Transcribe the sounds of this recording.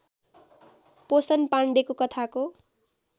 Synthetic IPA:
posʌnpaɳɖekokʌt̪ʰako

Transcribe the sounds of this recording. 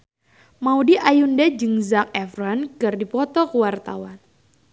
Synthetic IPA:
maudiʔajundɛd͡ʒɨŋzak̚ɛfrɔnkɨrdipɔt̪ɔkəwart̪a̰wan

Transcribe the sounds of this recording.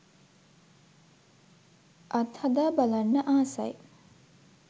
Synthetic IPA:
ʔɐt̪had̪aːbalanːəʔaːsa̰j

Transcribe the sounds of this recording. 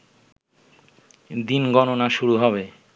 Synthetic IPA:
d̪inɡɔnonaʃuɾuɦɔβe

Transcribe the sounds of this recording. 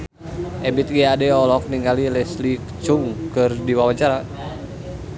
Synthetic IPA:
ʔɛbit̪̚ɡɛadɛɔlɔk̚niŋɡalilɛslikt͡ʃuŋkɨrdiwawaɲt͡ʃaɾa

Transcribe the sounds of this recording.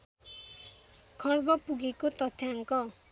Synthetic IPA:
kʰʌrbʌpuɡekot̪ʌt̪ʰjaŋkɔ

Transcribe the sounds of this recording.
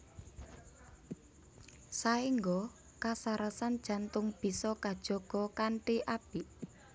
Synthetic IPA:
saiŋɡɔ | kasaɾasand̥ʒ̥a̤nt̪ʊŋb̥i̤sɔkad̥ʒ̥ɔ̤ɡ̥ɔ̤kaɳʈiʔab̥iʔ

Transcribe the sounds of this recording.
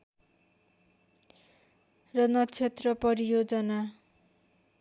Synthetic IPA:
rʌnʌt͡sʰet̪rʌpʌɾijod͡zʌna

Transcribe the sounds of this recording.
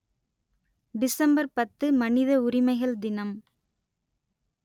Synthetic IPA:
ɖɪsɐmbɐɾpɐt̪ːɯmɐnɪðɐʊrɪmɐɪɣɐɭd̪ɪnɐm

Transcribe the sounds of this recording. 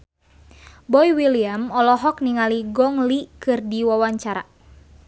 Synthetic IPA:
bɔjwiliamɔlɔɦɔk̚niŋaliɡɔŋlikɨrdiwawaɲt͡ʃaɾa̰

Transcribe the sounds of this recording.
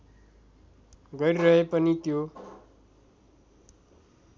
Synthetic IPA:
ɡʌɾiɾʌɦepʌnit̪jo

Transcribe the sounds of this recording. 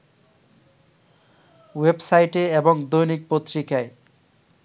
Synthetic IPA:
websajʈeebɔŋd̪ojnik̚pot̪ːɾikae

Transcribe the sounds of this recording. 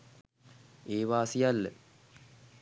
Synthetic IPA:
eːʋaːsijalːə̰

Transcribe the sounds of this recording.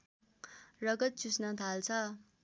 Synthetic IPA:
rʌɡʌt̪̚t͡susnʌt̪ʰalt͡sʰʌ

